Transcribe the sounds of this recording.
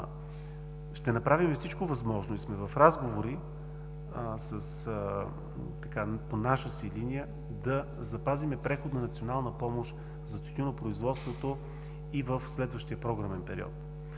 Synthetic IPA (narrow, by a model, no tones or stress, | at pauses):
ʃt̪ɛnɐpɾavimɛfsit͡ʃkovɐzmɔʒnoismɛvɐfɾazɡovoɾi | səs | t̪ɐkaponaʃəsilinijə | d̪ɐ | zɐpazimɛpɾɛxod̪nɐnɐt̪sionalˠnəpɔmoʃt̪ | vzɐst̪it̪ʲinopɾoizvɔt̪st̪vot̪o | ivəfslɛd̪vəʃt̪iəpɾɔɡɾəmɛnpɛɾiɔ̰t̪